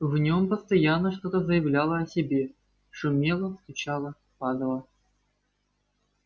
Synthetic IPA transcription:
vnʲo̞mpəst̪ɐjanːəʂt̪ot̪əzəjɪvlʲalˠəɐsʲɪbʲe̞ | ʂumʲe̞lˠəst̪ut͡ɕɑlˠə | pɑd̪əlˠə

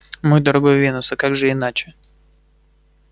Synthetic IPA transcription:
mɨjd̪əɾɐɡojvʲinʊsəkaɡʐɨɪnat͡ɕɪ̥

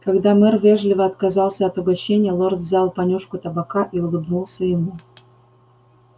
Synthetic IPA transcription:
kɐɡd̪amɛrvʲeʐlʲɪvəɐt̪kɐzɑlˠsʲəɐt̪ʊɡɐɕːenʲɪjəlˠord̪vzʲalˠpɐnʲuʂkʊt̪əbakaʔiʊlˠɨbnulˠsʲəjɪmu

